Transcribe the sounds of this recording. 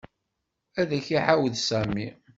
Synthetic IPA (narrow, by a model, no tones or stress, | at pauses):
æðæçiʕawəðsæmːi